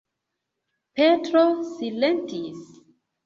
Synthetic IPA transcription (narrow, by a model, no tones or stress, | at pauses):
petɾosilentis